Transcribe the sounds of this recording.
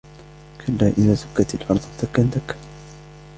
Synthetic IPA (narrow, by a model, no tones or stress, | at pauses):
kʰalːaːʔɪðaːsʊkːat̪alħɑɾˤd̪ˤɑt̪akːand̪akː